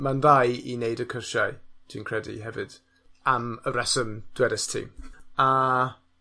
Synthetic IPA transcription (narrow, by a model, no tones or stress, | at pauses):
manðajineɨdəkʰərʃaɨtʰiːnkʰr̥ɛdḭɦɛvɨd̥ | aməɾɛsəmd̥wɛɾɛstʰḭːma